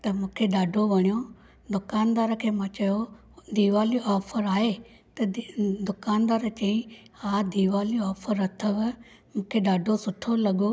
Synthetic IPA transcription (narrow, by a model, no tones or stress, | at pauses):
t̪ɐmũːkʰeɗaːɖʱoʋɐɽ̃ijo | d̪ʊkaːnd̪aːɾəkʰeːmɐ̃ːt͡ɕɐjo | d̪iːʋaːliɔːpʰəɾaːɦe | t̪ɐd̪ʊkaːnd̪aːɾət͡ɕɐ̃ĩ | aːd̪iːʋaːliɔːpʰəɾɐt̪ʰəʋ | mũːkʰeɗaːɖʱosʊʈʰolɐɡo